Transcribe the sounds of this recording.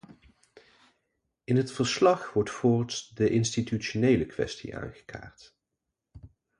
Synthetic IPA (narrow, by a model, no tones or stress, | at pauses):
ɪnɦətfəɹslɑχʋɔɹtfʊːɹtsdəʔɪnstityonejləkʋɛ̰stḭʔa̰ːnχə̥kʰa̰ːɹt